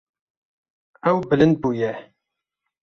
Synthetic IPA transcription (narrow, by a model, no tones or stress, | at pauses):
æwbələnbujæ